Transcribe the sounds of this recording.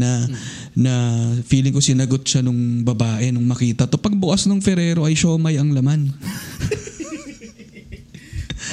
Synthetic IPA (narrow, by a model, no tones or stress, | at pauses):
nɐ | nɐfiːlɪŋko̞sɪnɐɡo̞t̪̚ʃanʊŋbɐbaːʔɛnʊŋmɐkiːt̪ɐt̪opɐɡ̚bʊkɐsnoŋfɛɾɛːɾo̞ʔɐjʃɐʔʊmɐjɐŋlɐman